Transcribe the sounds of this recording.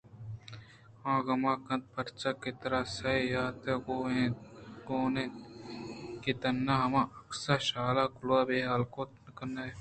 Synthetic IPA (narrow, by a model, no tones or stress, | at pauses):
ãːɡɐmãːkɐnt̪̚pɐɾt͡ʃakːit̪ɐɾasɐijaːt̪eɡoːẽːɡoːnẽ | kit̪ɐnːaɦɐmãːʔɐksaʃaːlaːkʊlwaːbeːɦaːlkoːt̪nkɐnːa